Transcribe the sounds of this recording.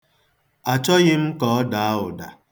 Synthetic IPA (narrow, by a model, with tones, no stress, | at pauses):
a˨t͡ʃɔ˦ɣɪ˦m̩˦kɔ˨ɔ˦da˨a˦ʊ˨da̰˨